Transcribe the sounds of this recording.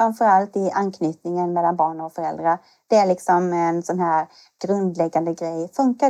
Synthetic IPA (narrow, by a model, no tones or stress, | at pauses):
ɾamfœɾalt̪ɪʔankʰnyːt̪nɪŋənmɛlːanbɑːɳɔkfœɾɛld̪ɾaɾ | d̪̥ɛæɾɭɪksɔmɛnsɔnɦæːɾ | ɡ̥ɾɵnd̪lɛɡːand̪əɡɾɛjfɵŋka